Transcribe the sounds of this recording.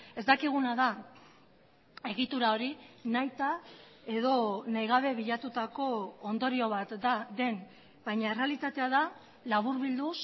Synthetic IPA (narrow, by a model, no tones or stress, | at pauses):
e̞zd̪akiɣ̞unaða | e̞ɣit̪uɾao̞ɾinajt̪a | e̞ðo̞najɣ̞aβ̞e̞βiʎat̪ut̪ako̞ːnd̪o̞ɾio̞β̞at̪d̪ad̪e̞n | bajɲae̞re̞alit̪at̪e̞aða | laβuɾβild̪us